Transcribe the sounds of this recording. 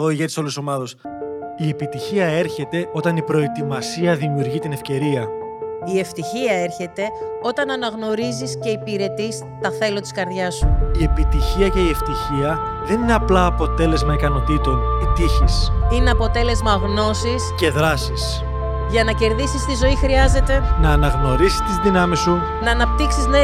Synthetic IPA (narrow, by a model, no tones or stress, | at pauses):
ðoiʝet̪iso̞lusomɐðo̞s | ie̞pit̪içiɐe̞ɾçe̞t̪e̞o̞t̪ɐnipɾo̞et̪imɐsiɐðimiuɾʝit̪ine̞fce̞ɾiɐ | ieft̪içiɐe̞ɾçe̞t̪e̞o̞t̪ɐnɐnɐɣno̞ɾizisce̞ipiɾe̞t̪is | t̪ɐθe̞lo̞t̪i̥skɐɾðʝɐsuie̞pit̪içiɐce̞ieft̪içiɐðe̞nine̞ɐplɐːpo̞t̪e̞le̞zmɐikɐno̞t̪it̪o̞nit̪içisine̞ɐpo̞t̪e̞le̞zmɐɣno̞sisce̞ðɾɐsis | ʝɐnɐce̞ɾðisist̪izo̞ixɾiɐze̞t̪e̞nɐːnɐɣno̞ɾisi̥st̪izðinɐmisu | nɐːnɐp̚t̪iksizne